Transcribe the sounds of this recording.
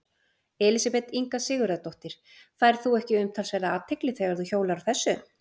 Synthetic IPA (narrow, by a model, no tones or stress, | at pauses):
ɛːlɪsapɛt̪iŋkasɪːɣʏɾɛðt̪oht̪ɪɾ̥ | θaːjɾ̥θuɛhcɪʏmt̪ʰalsvɛːɾðaːt̪ʰɪklɪθeɣaɾðuçoːwlaɾaθɛsːʏ